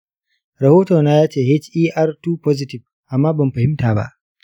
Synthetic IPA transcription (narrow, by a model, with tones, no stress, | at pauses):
ɾɐ˨hoː˦to˨naː˦jaː˦t͡ʃeː˨he˦t͡ʃiː˦ʔa˦rtuː˦pɔ˦zɪ˨tɪ˨ɸ | ʔa˨mːaː˦bɐ˨mɸɐ˨hɪ˦mtaː˨ba̰˦˨ʔ